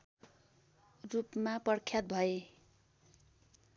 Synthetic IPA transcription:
rupmapʌrkʰjat̪̚bʱʌe

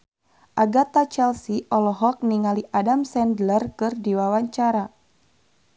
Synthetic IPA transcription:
ʔaɡat̪at͡ʃɛlsiʔɔlɔɦɔk̚niŋaliʔadamsɛndlərkɨrdiwawaɲt͡ʃaɾa

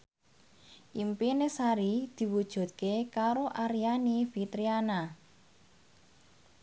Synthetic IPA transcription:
ʔimpinesaɾid̪̥i̤wud̥ʒ̥ṳt̪̚kekaɾoʔaɾijanifit̪ɾiana

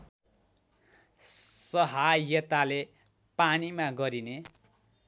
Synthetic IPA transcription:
sʌɦajʌt̪ale | panimaɡʌɾine

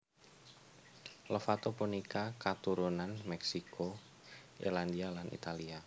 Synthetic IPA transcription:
ləfat̪opunikakat̪uɾunanmɛksiko | ḭland̪ialanʔḭt̪alia

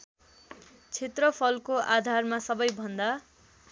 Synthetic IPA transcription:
t͡sʰet̪rʌpʰʌlkoʔad̪ʱarmasʌbʌjbʱʌnd̪a

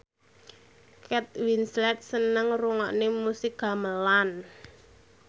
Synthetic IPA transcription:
kɛt̪̚winslɛt̪̚sənəŋruŋɔʔnemusɪk̚ɡ̥a̤məlan

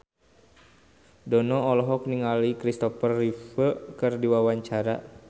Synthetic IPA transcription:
dɔnɔɔlɔɦɔkniŋalikɾist̪ɔfərːifəkɨrdiwawaɲt͡ʃaɾa̰

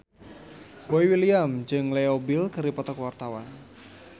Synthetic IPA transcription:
boiwiliamd͡ʒɨŋleobilkɨɾipɔt̪ɔkwart̪awan

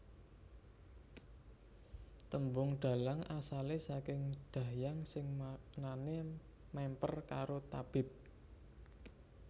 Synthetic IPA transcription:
t̪əmbʊŋɖ̪̥a̤laŋasalesakɪŋɖ̪̥a̤jaŋsɪŋnane | mɛmpərkaɾot̪ab̥ɪ̤p̚

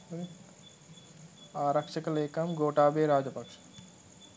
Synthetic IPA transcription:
aːɾɐkʃɐkɐleːkɐmɡoːʈaːbeːɾaːd͡ʒɐpɐkʂɐ̥

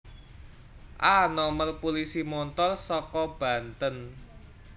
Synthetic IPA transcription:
ʔanɔmərpulisimɔnt̪ɔrsɔkɔb̥a̤nt̪ən

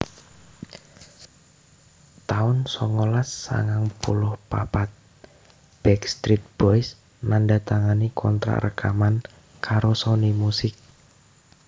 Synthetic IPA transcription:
t̪aʊnsɔŋolasːa̰ŋaŋpulʊhpapat̪̚ | b̥ɛkst̪ɾit̪̚b̥ɔs | nandat̪aŋanikʰɔnt̪ɾa̰rəkaman | kaɾosonimusɪk̚

